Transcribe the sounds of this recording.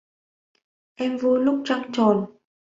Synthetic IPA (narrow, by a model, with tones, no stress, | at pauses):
ʔɛ˧mvu˧jlʊ˦˥k͡p̚t͡ɕa˧ŋt͡ɕɔ˨˩n